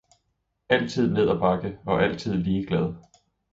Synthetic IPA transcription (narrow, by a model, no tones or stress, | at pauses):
æl̰t͡sʰið̞̰ˠne̝ð̞̰ˠɒb̥ɑ̈ɡ̥əɒ̽ʔæl̰t͡sʰið̞̰ˠliːɡ̥lɛð̞ˠ